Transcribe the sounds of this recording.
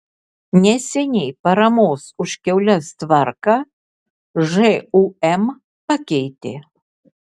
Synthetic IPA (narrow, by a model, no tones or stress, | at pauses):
nʲɛsʲɛnʲɛjpɐɾɐmɔsuʃkʲɛwlʲast̪varkɐ | ʐɛuɛm | pɐkʲɛjt̪ʲɪ̰